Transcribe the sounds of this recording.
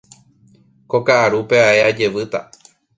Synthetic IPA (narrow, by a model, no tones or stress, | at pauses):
ko̞kaʔaɾupe̞aʔe̞ad͡ʒe̞ʋɨt̪a̰